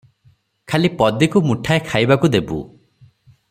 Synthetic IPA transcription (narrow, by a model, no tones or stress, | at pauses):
kʰalipɔd̪ikumuʈʰaekʰajbakud̪ebṵ